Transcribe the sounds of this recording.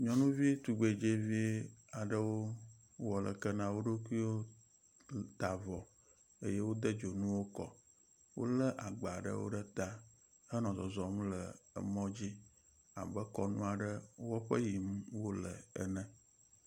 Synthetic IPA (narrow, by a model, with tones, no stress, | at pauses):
ɲɔ̃˨nũ˦vi˦t̪u˨ɡ͡be˨d͡ʒe˦vi˦a˨ɖə˦wo˦ | wɔ˨lə˨kə˦nã˦wo˦ɖo˦kʷu˦i˦wo˦ | t̪a˨vɔ˨ | ə˦jɛ˦wo˦d̪ə˦d͡ʒo˨nũ˦wo˦kɔ̰˨ | wo̰˦lə˦ʔa˨ɡ͡ba˨ɖə̰˦wo̰˦ɖə˦t̪a˦ | hə˦nɔ̃˨zɔ˨zɔ˨m˦lə˨ə̰˨mɔ̃˦d͡ʑi˦ | a̰˨bə˦kɔ˦nṵ̃˦a˨ɖə˦wɔ˦ɸə˦ji˨m̩˦wo˦lə̰˨ə̰˦nə̃˦